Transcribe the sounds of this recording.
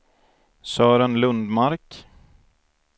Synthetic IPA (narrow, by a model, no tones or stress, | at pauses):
sœːɾənlɵnd̪maɾk